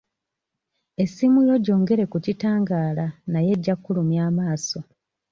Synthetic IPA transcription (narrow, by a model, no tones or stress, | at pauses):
e̞simulo̞ɟo̞ːŋɡe̞ɾe̞kucitaːŋɡaːlanaje̞ɟːakːulumjaːmaːso̞